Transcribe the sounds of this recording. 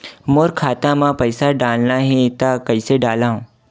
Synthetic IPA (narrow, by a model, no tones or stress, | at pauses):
moːɾkʰaːt̪ãmãpɐɪsaɖaːlnaɦɛ̃t̪akɐiseɖaːlaɦũː